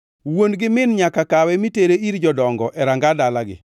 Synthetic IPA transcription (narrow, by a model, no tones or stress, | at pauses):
wonɡɪmɪnɲakakawɛmiteɾeiɾd͡ʒɔdɔŋɡɔʔɛɾaŋɡadalaɡɪ̰